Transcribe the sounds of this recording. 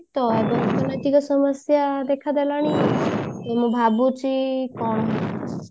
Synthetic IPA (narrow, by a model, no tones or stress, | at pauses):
t̪ɔebɔkɔnatiɡɔsɔmɔsjad̪ekʰad̪elaɽ̃i | emũbʱabut͡ʃikɔnɦe